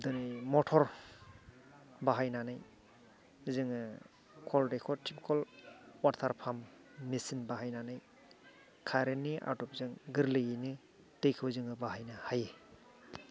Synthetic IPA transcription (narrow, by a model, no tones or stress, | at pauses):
dɔnimɔtʰɔɾ | baɦajnanaj | zɯŋɯ | kʰɔldekʰɔtʰipkʰɔlwaɾtʰaɾpʰamː | isinbaɦajnanaj | kʰaɾeniʔa̰ɾtɔp̚zɯŋɡɯɾlɯjinɯ | tejkʰɯwzɯŋɯbaɦajnahaje